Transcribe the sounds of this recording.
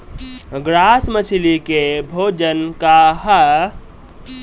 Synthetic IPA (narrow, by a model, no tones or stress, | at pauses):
ɡɾasmət͡ʃʰilikebʱoːd͡ʒənkaɦə